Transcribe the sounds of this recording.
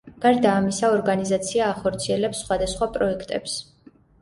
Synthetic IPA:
ɡ̥aɾd̪aːmisaɔɾɡanizat̪sʰiaːχɔɾt̪sʰiɛlɛpsːχwad̪asχwapʼɾɔɛkʰt̪ʼɛ̰ps

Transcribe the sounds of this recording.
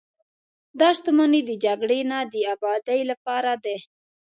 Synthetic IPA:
d̪ɑʃt̪umaned̪əd͡ʒaɡɽenad̪əabɑd̪ajlapɑɾad̪e

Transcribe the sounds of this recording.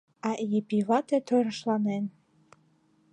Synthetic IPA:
ɑʔjepʲivɑt̪et̪ʰøɾəʃlɑnen

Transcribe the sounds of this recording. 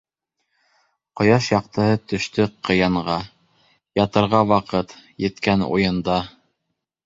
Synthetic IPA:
qŏjɑʃjɑq̚t̪ɤ̆ɦɤt̪ɵ̆ʃt̪ɵqɤ̆jɑɴʁɑ | jɑt̪ɤ̆ɾʁɑwɑqɤt̪jɘ̆t̪kænṵjɤ̆nd̪ɑ

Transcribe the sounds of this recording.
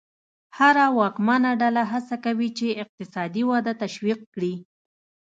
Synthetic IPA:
haɾawɑkmɑnaɖalaɦasakawit͡ʃeɪq̚t̪ɪsɑd̪iwɑd̪at̪aʃwiq̚kɽi

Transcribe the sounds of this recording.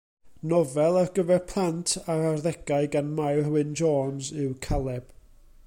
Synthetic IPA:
nɔvɛlˠarɡəvɛrpʰlˠantʰaɾarðɛɡaɨɡanmajrwɨnd͡ʒɔːnzɪwkʰalˠɛb̥

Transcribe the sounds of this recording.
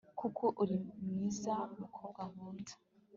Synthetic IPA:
kukʰoʔuɾimŋiːzamukʰo̞ːbɡwamuːnzḁ

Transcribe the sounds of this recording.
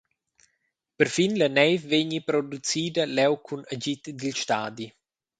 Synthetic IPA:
pəɾfinlənɛjvveɲipɾod̪ut͡siːd̪alɛwkʰunaɟit̪d̪ilʃt̪aːd̪i

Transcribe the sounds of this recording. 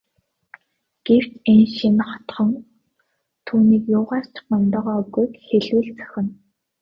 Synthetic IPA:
ɡ̥ew̥t͡ɕenʃinχɔ̥t̪χɞ̆ŋ | t̪ʰuːniːkjʊːʁaːr̥t͡ɕʰɪ̥̆χmɔmt̪ɔːʁɔːɡujkxeɮwɘ̆ːɮt͡sœ̥xʲɪ̆n

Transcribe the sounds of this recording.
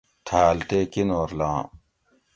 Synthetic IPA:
t̪ʰaːlt̪eːkinoːɾlãː

